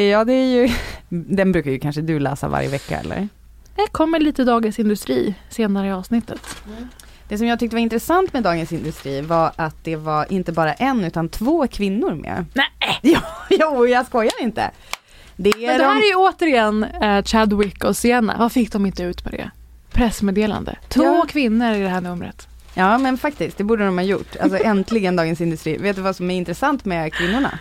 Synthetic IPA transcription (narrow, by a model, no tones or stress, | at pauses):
jɑːd̪ɛæɾjɵd̪ɛnbɾʉ̟ːkajɵkʰanʂəd̪ɵlæ̰ːsa̰va̰ɾjə̰vɛkːa̰ɛ̰lːə̰ɾ | ɛkʰɔmːəliːt̪əd̪ɑːɡəsɪnd̪ɵst̪ɾiːseːnaɾəɪɑːvsnɪt̪ːət̪ | d̪̥ɛs̬ɔmjɑːɡt̪ʰʏk̚t̪əvaɾɪnt̪ɾɛsant̪mɛd̪ɑːɡənsɪnd̪ɵst̪ɾiːvaɾʔat̪̚d̪ɛvaɾʔɪnt̪əbɑːɾaʔɛnʉ̟ːt̪ant̪ʰvoːkʰvɪnːʊɾmɛ̰nɛjɑːjuːjɑskɔjːad̪ɪnt̪ə̰ | d̪ɛæɛd̪dɔmaɾɛjɵoːt̪əɾɪɛnːt͡ʃad̪wɪkːɔseːna̰vafɪk̚ːd̪ɔmɪnt̪əʉ̟ːt̪mɛ̰d̪ɛ̰ | pʰɾɛsmeːd̪eːla̰nd̪ə̰t̪ʰvoːkʰvɪnːəɾɪd̪ɛɦæːɳɵmɾə̰t̪ | jɑːmɛnfak̚t̪ɪsk̚d̪ɛbuːɖəd̪ɔmhajʊ̰ʈːa̰lsɔʔɛnt̪ʰlɪɡənd̪ɑːɡənsɪnd̪ɵst̪ɾḭːveːt̪d̪ɛvasɔmæɾɪnt̪ɾɛsant̪mɛkʰvɪnːʊɳa̰